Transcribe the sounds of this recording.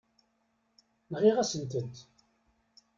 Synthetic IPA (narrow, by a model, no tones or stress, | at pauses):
nʁiʁæsənt̪ənt̪